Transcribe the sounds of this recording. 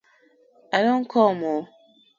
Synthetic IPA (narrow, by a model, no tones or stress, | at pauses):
aɾoŋ̩kʰɔmɔ